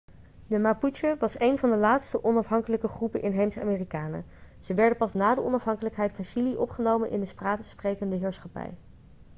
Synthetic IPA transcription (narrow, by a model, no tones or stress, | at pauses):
dəmaput͡ʃəʋɑsejnvɑndəlaːtstəʔɔnɑfɦɑŋkələkəχrupənʔɪnɦejmsa̰ːmiːrikaːnə̰ | z̥əʋɛɹdənpɑsnaːdəʔɔnɑfɦɑŋkələkɦɛjtfɑnʃiliʔɔpχənowmənʔɪ̰ndəspraːtəsprejkəndəɦɪːɹsχɑpɛ̰j